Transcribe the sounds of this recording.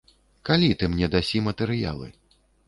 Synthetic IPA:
kalʲit̪ɨmnʲɛd̪asʲimɐt̪ɛɾɨja̰lˠɨ̰

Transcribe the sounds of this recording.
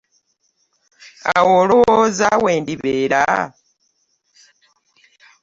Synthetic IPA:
awoːlowozaweːndiβeːɾa

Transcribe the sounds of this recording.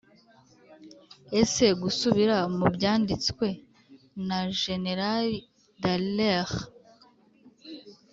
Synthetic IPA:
e̞se̞ɡusuβiɾamubɟaːndit͡skwe̞ | naʒe̞neɾali | dalex

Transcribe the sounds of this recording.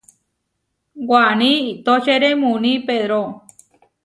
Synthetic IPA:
ɡʷanĩit̪ot͡ʃeɾemũnĩpeðɾo

